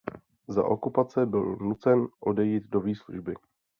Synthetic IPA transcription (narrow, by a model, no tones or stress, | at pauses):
za̰ʔo̞̰kupat͡sɛbɪlnut͡sɛnʔo̞dɛjiːd̪do̞viːsluʒbɪ